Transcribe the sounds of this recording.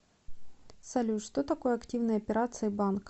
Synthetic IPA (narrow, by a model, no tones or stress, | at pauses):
sɐlʲuʂt̪ot̪ɐko̞jəɐktʲivnəjəɐpʲɪɾat̪sɨɪbank